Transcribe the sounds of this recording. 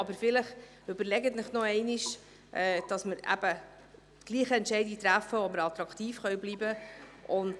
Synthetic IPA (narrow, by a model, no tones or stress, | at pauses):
ɑbəɾfɪləχ | ʏbəɾlɛɡətnɪχnɔɛɪniʃ | ʔɛːd̥ɑsməɾæ̰b̥ə | ɡ̥liːχəɛntʃɛɪdit̪ɾæfəoməɾɑt̪ɾɑkt̪iːfχœɥbliːbəʊnt